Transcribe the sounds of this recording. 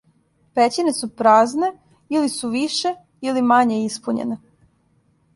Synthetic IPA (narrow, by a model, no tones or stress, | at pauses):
pet͡ɕine̞supɾaːzne̞ | ilisuʋiʃe | ilimaɲeispuɲḛne